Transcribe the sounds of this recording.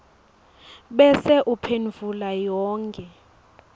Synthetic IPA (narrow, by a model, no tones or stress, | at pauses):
ɓɛsɛʔupʰenvulajɔːŋkʼɛ